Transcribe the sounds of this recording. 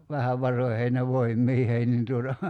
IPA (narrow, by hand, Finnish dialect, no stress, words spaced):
ʋæhæʋ ʋɑroĭheːn jɑ ʋoimːiːhei nin tuotɑ